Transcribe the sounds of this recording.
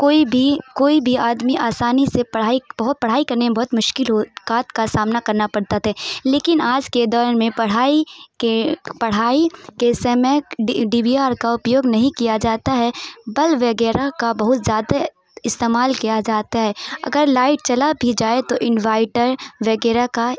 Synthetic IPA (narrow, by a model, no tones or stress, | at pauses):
koːibʱikoːibʱiaːd̪miʔaːsaːnisepɐɽ̤aːib̥ɐɦʊt̪̚pɐɽ̤aːikɐɾnemẽbɔɦʊt̪mʊʃkɪlɦokaːt̪kasaːmnakɐɾnapɐɽt̪at̪ʰɛːleːkɪnaːd͡ʒked̪ɔːɾəɾmẽpɐɽ̤aːikepɐɽ̤aːikeːsɛmeɖɖiːbiːaːɾkaʊpjoːɡnɐɦĩkijad͡ʒaːt̪aɦɛbɐlʋɛɡɛːɾakabɐɦʊt̪zjaːd̪a | ɪst̪eːmaːlkijad͡ʒaːt̪aɦɛːɐ̰ɡəɾlaːɪʈ̚t͡ʃɐlabʱid͡ʒaːet̪oʔɪnʋaːɪʈəɾʋɛɡɛːɾaka